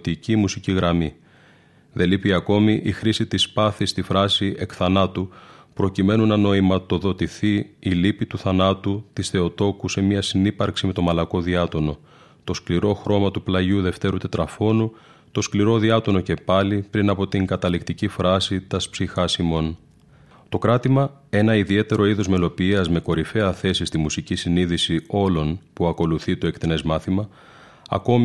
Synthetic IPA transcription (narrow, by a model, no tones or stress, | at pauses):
t̪icimusiciɣɾɐmi | ðe̞lipiɐko̞miʔixɾisit̪ispɐθist̪ifɾɐsiʔe̞kθɐnɐt̪upɾo̞cime̞nunɐno̞imɐt̪o̞ðo̞t̪iθiːlipit̪uθɐnɐt̪ut̪isθe̞o̞t̪o̞kuse̞mɐsinipɐɾksime̞t̪o̞mɐlɐko̞ðiɐt̪o̞no̞ | t̪o̞skliɾo̞xɾo̞mɐt̪uplɐʝuðe̞ft̪e̞ɾut̪et̪ɾɐfo̞nu | t̪o̞skliɾo̞ðiɐt̪o̞no̞ce̞pɐlipɾinɐpo̞t̪iŋɡɐt̪ɐlikt̪icifɾɐsit̪ɐspsixɐsimo̞n | t̪o̞kɾɐt̪imɐe̞nɐiðie̞t̪e̞ɾo̞iðo̞zme̞lo̞piɐzme̞ko̞ɾife̞ɐθe̞sist̪imusicisiniðisio̞lo̞npuɐko̞luθit̪o̞e̞kt̪ene̞zmɐθimɐ | ɐ̰ko̞m